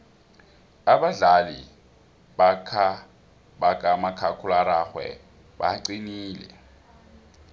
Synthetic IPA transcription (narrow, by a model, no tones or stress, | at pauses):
aɓaɮalḭ | ɓakʰa | ɓak̬ʼamakʰakʰulaɾaxwɛ̰ | ɓaǀiniːlɛ̰